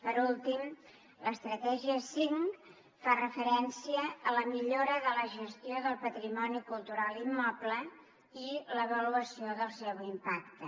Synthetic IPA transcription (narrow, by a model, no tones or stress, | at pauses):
pəɾulˠt̪im | ləst̪ɾət̪ɛʒiəsiŋ | farəfəɾɛnsiəːləmiʎoɾəðələʒəst̪ioðəlˠpət̪ɾimɔnikulˠt̪uɾalimːɔplə | iləβəluəsioðəlˠsɛwimpak̚t̪ə